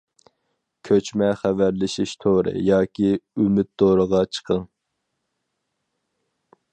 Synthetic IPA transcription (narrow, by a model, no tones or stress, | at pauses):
kʲʰøt͡ʃmɛχævæɾlɪʃiʃt̪ʰoɾɨ̰jɑːkʲiymɪt̪̚d̪oɾəʁɑt͡ʃʰə̥qʰəŋ